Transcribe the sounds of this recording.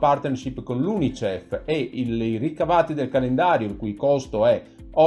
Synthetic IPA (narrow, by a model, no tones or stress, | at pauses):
part̪neɾʃipːkonlunit͡ʃɛfeilirikavaːt̪id̪elkalend̪aːɾjoilkujkɔst̪oɛ | ɔ